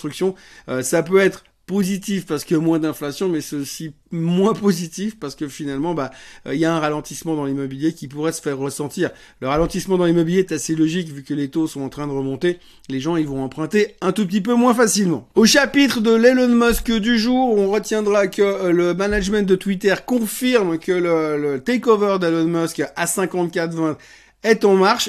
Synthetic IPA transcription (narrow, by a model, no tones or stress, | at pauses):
t̪χyksjɔ̃øsapøɛt̪χə | pozit̪ifpaʁsə̥kəmwɛ̃d̪ɛ̃flasjɔ̃mɛsosi | mwɛ̃pozit̪ifpaʁsə̥kəfinalmɑ̃ba̰iljaɛ̃ʁalɑ̃t̪ismɑ̃d̪ɑ̃limɔbiljekʲipuʁɛsə̥fɛʁːəsɑ̃t̪iːʁ | ləʁalɑ̃t̪ismɑ̃d̪ɑ̃limɔbiljeɛt̪aselɔʒikvykʲəlet̪osɔ̃ɑ̃t̪χɛ̃d̪əʁəmɔ̃t̪e | leʒɑ̃ilvɔ̃ɑ̃pχɛ̃t̪eɛ̃t̪up̚t̪ipømwɛ̃fasilmɑ̰̃oʃapit̪χəd̪əlelɔnmɔskd̪yʒuʁɔ̃ʁət̪jɛ̃d̪ʁakələmanaʒmɛ̃t̪̚d̪ət̪wit̪ɛʁkɔ̃fiʁmkələlət̪ɛkɔvœʁd̪elɔnmɔskasɛ̃kɑ̃t̪kʲat̪vɛ̃t̪ | ɛt̪ɑ̃maʁʃ